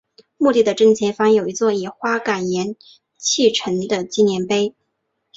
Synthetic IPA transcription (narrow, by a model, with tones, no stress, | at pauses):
mu˥˧t̪i˥˩d̪ə˩ʈ͡ʂə˥ŋt͡ɕʰjɛ˥fa˥ŋjo˨˩ʊi˧˥t͡swɔ˥˩i˨˩xwa˥ka˨˩njɛ˧˥n | t͡ɕʰi˥˩ʈ͡ʂʰə˧˥ŋd̪ə˧t͡ɕi˥njɛ˧˥npe˥ɪ